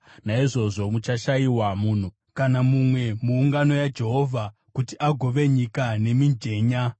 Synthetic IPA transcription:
naiʐo̞ʐo̞mut͡ʃaʃaiwamuːn̤u | kanamumwe̞muːŋɡano̞jad͡ʒe̞ɦo̞vʱa | kutiʔaɡʱo̞ʋe̞ɲikane̞mind͡ʒe̞ːɲa

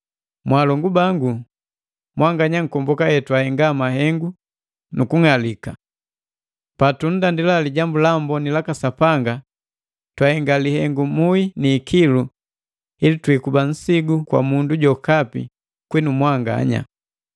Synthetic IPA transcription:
mwaːlɔŋɡubaŋɡu | mwaŋɡaɲaŋ̩kɔmbɔkajɛtwahɛŋɡamaɦɛŋɡu | nukuŋalika | patun̩dandilaliɟambulambɔnilakasapaŋɡa | twahɛŋɡalihɛŋɡumuiniːkʰilu | ilitwikuban̩siɡukwa̰munduɟɔkapḭ | kwɛnumwaŋɡa̰ɲa̰

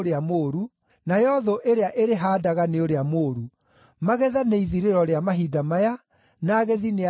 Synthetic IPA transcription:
ɾeamoɾu | najɔðoʔeɾeaʔeɾeɦaːdaɣaneoɾeamoːɾu | maɣɛðaneiðiɾeɾɔɾeamaɦidamaja | naːɣeðine

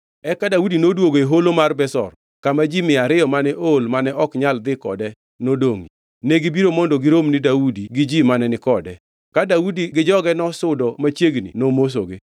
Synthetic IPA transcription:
ɛkadaudinodwoɡoeɦolomarbɛsɔ̰r | kamad͡ʒimɪaɾɪjɔmanɛʔolmanɛʔɔkɲald̪ɪkɔ̰dɛ | nodoŋi | neɡibiɾomɔndoɡɪɾomnɪdaudiɡɪd͡ʒimanɛnɪkɔdɛ | kadaudiɡɪd͡ʒɔɡɛnɔsʊdɔmat͡ʃjeɡnḭnomos̬o̰ɡe

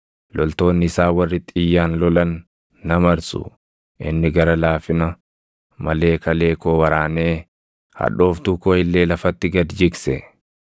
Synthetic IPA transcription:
lɔlt̪o̞ːnːɪɪsaːwɐrːɪt̪ːʼɪjːaːnlɔlɐnː | ɐmɐɾsʊ̰ | ʔɪ̰nːɪɡɐɾɐlaːfɪnɐ | mɐle̞ːkɐle̞ːkoːwɐɾaːneː | hɐ̰ᶑo̞ːft̪uːkoːɪlːe̞ːlɐfɐt̪ːɪɡɐd̪d͡ʒɪksɛ

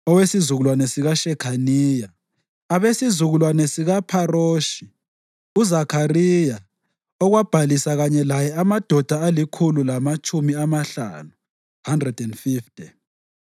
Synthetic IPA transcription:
ɔwesizuɣulwanɛsiɣaʃɛkʰaniːjaː | βesizuɣulwanɛsiɣapʰaroːʃi | uzakʰarija | ɔɣwab̥ʱalisaɣaɲɛlajɛamad̥ʱɔd̥ʱaalikʰululamat͡ʃʼumiamaɬa̰ːnu | handrɛd̥ɛndfiftʰʼi

